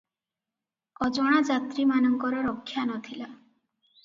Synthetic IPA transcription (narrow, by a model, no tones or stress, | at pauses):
ɔd͡ʒɔɽ̃ad͡ʒat̪ɾimanɔŋkɔɾɔɾɔkʰːjanɔt̪ʰila